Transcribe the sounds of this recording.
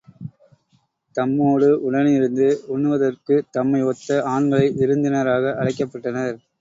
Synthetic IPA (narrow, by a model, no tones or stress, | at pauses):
t̪ɐmːoːɽɯʔʊɽɐnɪɾɯnd̪ɯʊɳːɯʋɐðɐrkɯt̪ɐmːɐɪɔt̪ːɐaːɳɡɐɭɐɪʔɪɾɯnd̪ɪnɐɾaːɣɐʔɐɽɐɪkːɐpːɐʈːɐnɐɾ